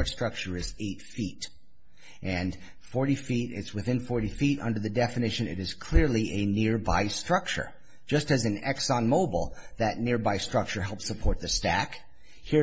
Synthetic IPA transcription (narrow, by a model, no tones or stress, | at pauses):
ɹtstɹ̥ʌk̚t͡ʃə˞ɨzeɪtfiɾ | ʔɨ̃n | fɔɹɾifiɾɪ̰tswɨθɪ̃nfɔɹɾifiɾʌ̰̃ndə˞ðɨdɛfɨnɪʃɨ̃nɨ̰ɾɨz̥kʰl̥ɪɹlˠiʔɨnɪɹba̰ɪstɹ̥ʌk̚t͡ʃə̰̥˞ | d͡ʒʌstɨzɨ̃nɛksɑ̃nmoʊbl̩ˠðɨtⁿnɪɹbaɪstɹ̥ʌk̚t͡ʃə˞ɦɛlˠpsəpʰɔɹt̪̚ðɨstæk | hi